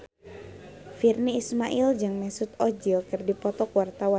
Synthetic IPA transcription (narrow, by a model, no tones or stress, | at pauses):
firniːsmaʔild͡ʒɨŋmɛsut̪ɔd͡ʒilkɨrdipɔt̪ɔkwart̪awa